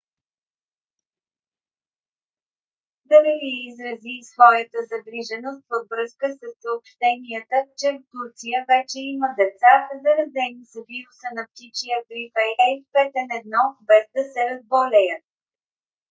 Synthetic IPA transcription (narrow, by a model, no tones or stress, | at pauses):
d̪ɐliviizɾɐzisvɔjət̪əzɐɡɾiʒɛnost̪vəvvɾɤskəsəsːəopʃt̪ɛniət̪ət͡ʃɛft̪uɾt̪sijəvɛt͡ʃɛiməd̪ɛt̪sazɐɾɐd̪ɛnisəviɾusənɐpt̪it͡ʃijəɡɾifɛjɛfpɛt̪ɛnɛd̪nɔbɛzd̪ɐsɛɾɐzbolɛjət̪